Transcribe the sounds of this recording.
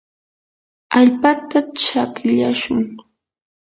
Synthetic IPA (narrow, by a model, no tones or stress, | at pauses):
aʎpat̪at͡ʃakʎaʃʊŋ